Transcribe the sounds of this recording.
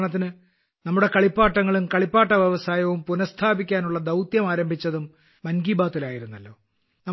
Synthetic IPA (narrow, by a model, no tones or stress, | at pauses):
ɳɐt̪̬ːinɨ | nɐmːuɽe̞kɐɭipːaːʈːɐŋːɐɭumkɐɭipːaːʈːɐʋjeʋɐsaːjɐʋumpunɐst̪ʰaːbikʲːaːnuɭːɐd̪ɐwt̪jɐmaːɾɐmbʱit͡ɕːɐðumː | ɐnɡiːbaːt̪ːilaːjiɾunːɐlːo̞̰ː | nɐ